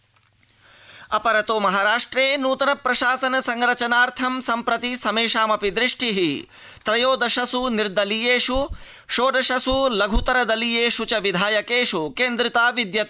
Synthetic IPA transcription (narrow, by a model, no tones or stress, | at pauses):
ɐpɐɾɐt̪oːmɐɦaːɾaːʂʈɾeːnuːt̪ɐnɐpɾɐʃaːsɐnɐsɐŋɾɐt͡ʃɐnaːɾt̪ʰɐmsɐmpɾɐt̪isɐmeːʃaːmɐpid̪ɾɪʂʈʰiɦi | t̪ɾɐjoːd̪ɐʃɐsuniɾd̪ɐlijeːʂu | ʃoːd̪ɐʃɐsulɐɡʱut̪ɐɾɐd̪ɐlijeːʃut͡ʃɐʋid̪ʱaːjɐkeːʃukeːnd̪ɾit̪aːʋid̪jɐt̪ː